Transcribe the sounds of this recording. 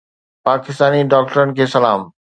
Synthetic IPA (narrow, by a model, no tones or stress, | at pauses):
paːkist̪aːniɖɔk̚ʈɔnkesɐlaːm